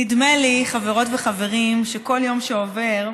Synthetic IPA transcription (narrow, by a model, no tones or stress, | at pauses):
idmeliχaveʁo̞tveχave̞ʁimʃeko̞ljo̞mʃeove̞ʁ